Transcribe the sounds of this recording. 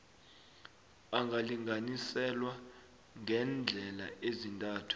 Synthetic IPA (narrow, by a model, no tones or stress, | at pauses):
aŋɡʱaliŋɡʱanisɛlwa | ŋʱɛnd͡ɮʱɛla̰ezintʼaːtʰu̥